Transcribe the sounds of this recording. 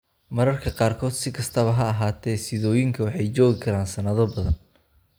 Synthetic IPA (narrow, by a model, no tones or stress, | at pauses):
mɐɾɐrkʰɐqɑːrkʰɔːd̪sɪkʰɐst̪ʰɐβɐɦɐɐɦaːt̪ʰɛːsɪðɔːjɪŋkʰɐwɑħɑjt͡ʃɔːɣɪkʰɐɾaːnsɐnɐðɔbɐðɐn